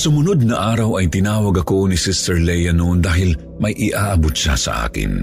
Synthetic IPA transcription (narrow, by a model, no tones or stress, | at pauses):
sʊmʊnod̪̚nɐʔaːɾɐwɐjt̪ɪnaːwɐɡɐko̞nɪsɪst̪ɛɹlɛjɐnoʔnd̪aːɦɪl | mɐjʔɪʔaːʔɐbot̪̚ʃa̰sɐ̰ʔa̰ːkɪ̰n